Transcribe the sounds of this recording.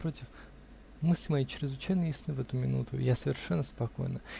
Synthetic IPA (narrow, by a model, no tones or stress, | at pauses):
pɾotʲɪf | mɨsʲlʲɪmɐjet͡ɕɾʲɪzvɨt͡ɕajnəɪsʲnɨvɛt̪ʊmʲɪnṵt̪ʊ̰jasəvʲɪrʂɛnːəspɐko̞̰jnə